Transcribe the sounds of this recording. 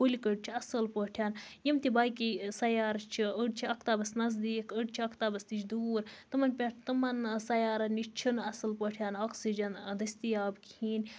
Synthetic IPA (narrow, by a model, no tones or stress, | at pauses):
ulʲikəɖt͡ʃʰiɐsɐlpəʈʰjaːnjimt̪ibaːjkisɐjaːɾt͡ʃʰiəɖt͡ʃʰiɐkt̪aːbɐsnɐzd̪iːkəɖt͡ʃʰiɐkʰt̪aːbɐst̪it͡ʃʰd̪uːɾt̪ɨmɐnpʲaʈʰt̪ɨmɐnsɐjaːɾɐnit͡ʃʰinɐsɐlpəʈʰjaːnoːksid͡ʒɐnd̪ɐsʲt̪ijaːbkhiːn